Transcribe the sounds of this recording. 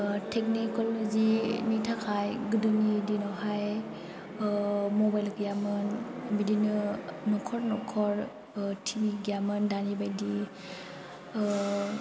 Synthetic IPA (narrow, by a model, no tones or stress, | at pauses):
tʰek̚nikɔlozinitʰakʰajɡɯdɯnidinɔwɦaj | mɔbajlɡijamɯnbidinɯnɔkʰɔɾnɔkʰɔɾ | tʰibiɡiamɯndanibajdi